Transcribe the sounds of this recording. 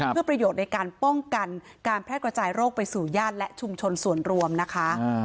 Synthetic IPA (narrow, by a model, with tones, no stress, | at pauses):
ɯ˥˩pɾa˧joː˨˩t̪̚na˧jkaː˧npɔ˥˩ŋka˧n | kaː˧npʰɾɛː˥t̚kɾa˧t͡ɕaː˧jɾoː˥˩k̚pa˧jsuː˨˩jaː˥˩t̪̚lɛ˦˥ʔt͡ɕʰu˧mt͡ɕʰo˧nsu˨˩ənɾu˧əmna˦˥kʰa˦˥